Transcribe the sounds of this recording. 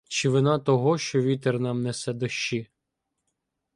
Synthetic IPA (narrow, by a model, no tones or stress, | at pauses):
t͡ʃɪʋɪnɑt̪ɔɦɔʃt͡ʃɔʋʲit̪ernɑmnɛsɛd̪ɔʃt͡ʃi